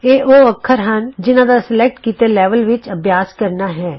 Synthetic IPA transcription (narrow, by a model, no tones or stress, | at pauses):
eːʔoːɐkʰːəɾɦɐnd͡ʒɪnãd̪asɪlek̚ʈkiːt̪elɛːʋəlʋɪt͡ʃɐbjaːskəɾnaɦɛ̃ː